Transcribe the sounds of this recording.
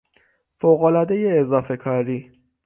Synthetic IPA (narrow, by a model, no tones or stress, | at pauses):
foɣolɒd̪eje̞ːzɒːfe̞kʰɒɾiː